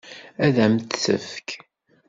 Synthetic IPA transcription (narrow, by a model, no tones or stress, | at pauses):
æðæmt̪θə̰fk